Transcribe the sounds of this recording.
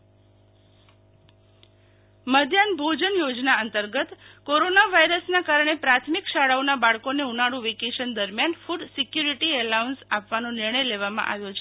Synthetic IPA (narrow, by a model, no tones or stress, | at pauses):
məd̪ʱjanbʱod͡ʒənjod͡ʒnaənt̪əɾɡət̪koɾonaʋaiɾəsnakaɾɳ̃epɾat̪ʰmikʃaɽaonabaɭkoneunaɽũʋikeʃənd̪əɾmjanfuɖsikjuɾiʈiəlaunsapʋanonɪɾɳəjleʋamã̰ʔa̰ʋjot͡ʃʰe